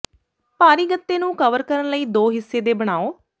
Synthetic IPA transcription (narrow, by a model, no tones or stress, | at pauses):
paːɾiːɡət̪ːeːnũːkəʋəɾkəɾənləiːd̪oːɦɪsːeːd̪eːbəɽ̃aːoː